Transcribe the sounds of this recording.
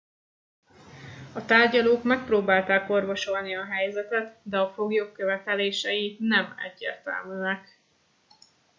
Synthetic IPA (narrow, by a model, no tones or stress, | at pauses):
ɒt̪aːrɟɒloːkmɛk̚proːbaːlt̪aːko̞rvo̞ʃo̞lniɒɦɛjzɛt̪ɛt̪d̪ɛɒfo̞ɡjoːkːøvɛt̪ɛleːʃɛjinɛmɛ̰ɟːḛːrt̪ɛ̰lmyːnɛk